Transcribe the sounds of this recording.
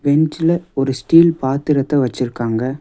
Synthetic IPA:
ʋɛnd͡ʒɪlɐɔɾɯsʈiːlpaːt̪ːɪɾɐt̪ːɐʋɐt͡ʃːɪɾɯkːaːŋɡɐ

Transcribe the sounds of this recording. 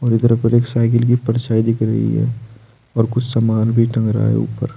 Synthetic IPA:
ɔːɾɪd̪əɾpəɾeːksaːɪkɪlk̬ipɐɾt͡ʃaːid̪ɪkʰɾɐ̰ɦḭɦɛ̰ː | ɔːɾkʊt͡ʃʰsamaːnbʱiʈɐ̃ŋɡɾa̰ːḛṵːpə̰ɾ

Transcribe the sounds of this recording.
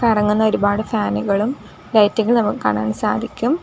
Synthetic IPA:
ɐrɐŋːunːɐo̞ɾubaːɽɨfaːnuɣɐɭum | lɐjtːiŋːɐɭnɐmːukkːa̰ːɳa̰ːɳɨsa̰ːd̪ʱikʲːum

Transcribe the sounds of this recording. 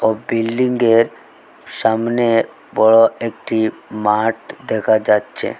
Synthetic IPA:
obilːiŋɡeɾ | ʃamne | bɔɽoek̚ʈimaʈd̪ɛkʰad͡ʑatːɕʰḛ

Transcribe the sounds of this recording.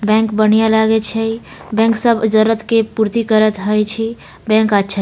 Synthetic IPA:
bɛ̃ŋkbənijalaɡet͡ʃʰɛj | bɛ̃ŋksəbʱd͡ʒəɾət̪kepuɾt̪ikəɾət̪ɦəjt͡ʃʰɛ | bɛ̃ŋkətːʃʰa

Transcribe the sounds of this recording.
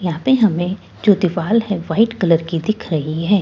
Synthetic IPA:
jɐɦãːpeɦɐmẽ | d͡ʒoːd̪ɪʋaːlɦɛ̃ʋaːɪʈkɐləɾkid̪ɪkʰɾɐɦiɦɛ̃ː

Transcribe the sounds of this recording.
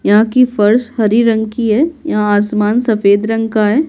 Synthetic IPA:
jɐɦãkifɐɾshɐɾiɾɐ̃ŋkiɦɛːjɐɦãaːsmaːnsɐfeːd̪ɾɐ̃ŋɡkaɦɛː

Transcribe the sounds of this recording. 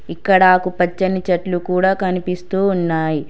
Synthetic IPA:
ikːɐɽɐaːkupɐt͡ʃːɐnit͡ʃɐʈlukuːɽaːkɐnipist̪uːnːaːji

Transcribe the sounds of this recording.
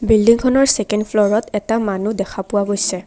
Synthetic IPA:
bildiŋkʰɔnɔɹsekɛndpʰlɔɹɔtɛtamanudɛkʰapʊwaɡojsɛ

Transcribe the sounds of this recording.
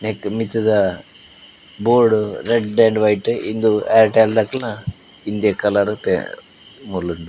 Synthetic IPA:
nekmit̪ɐd̪ɐ | boːɾɽuɾeɖːeɳɖʋɐjʈind̪ueɾʈeld̪akɐla | ind̪ijɐkɐlaɾt̪ḛ | muluɳɖu

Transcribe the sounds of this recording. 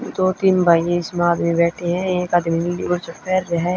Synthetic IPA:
d̪oːt̪imbʱaːjeɪsmaːd̪mibɛːʈʰeɦɛ̃eːkaːd̪minliʊɾt͡ʃɐpɛːɾːɐɦɛ

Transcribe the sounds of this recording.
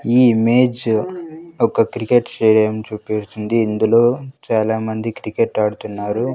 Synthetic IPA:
iːimeːd͡ʒ | ɔkɐkɾikeʈsʈeːɽijɐmt͡ʃuːpest̪und̪iːnd̪ulo̞ːt͡ʃaːlaːmɐnd̪ikɾikeʈɐːɽut̪unːaːɾu

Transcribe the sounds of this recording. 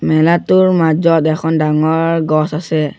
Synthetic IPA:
mɛlatʊɹmad͡ʒɔtɛkʰɔndaŋɔɹɹɡɔsasɛ

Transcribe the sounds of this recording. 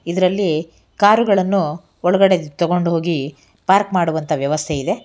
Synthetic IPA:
id̪ɐɾɐlːi | kaːɾuɡɐɭɐnːu | ɔɭɐɡɐɽe̞t̪ɔɡo̞ɳɖɦo̞ːɡi | paːɾkmaːɽuʋɐnt̪ʰɐʋjɐʋɐst̪ʰeid̪e̞

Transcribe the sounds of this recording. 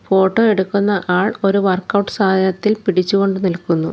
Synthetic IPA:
fo̞ːʈːo̞ːe̞ɽukːunːɐʔaːɭo̞ɾuʋɐrkːɐwʈːɨ̥saːd̪ʱɐnɐt̪ːilpiɽit͡ɕːuɣo̞ɳɖɨnilkːunːu

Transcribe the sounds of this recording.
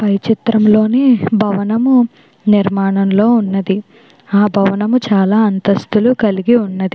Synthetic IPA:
pɐjt͡ʃit̪ɾɐmlo̞ːneːbʱɐʋɐnɐmu | niɾmaːɳɐmlo̞ːunːɐd̪i | aːbʱɐʋɐnɐmut͡ʃaːlaːɐnt̪ɐst̪ulukɐliɡiunːɐd̪i

